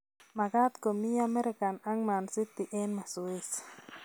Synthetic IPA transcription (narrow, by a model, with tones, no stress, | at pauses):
ma˨ɡa˦t̪ko˨mi˦a˦mɛ˦ɾɪ˦ka˨na˦ŋma˨nsɪ˦t̪ɪ˨ʔɛ˦nma˨su˨e˦s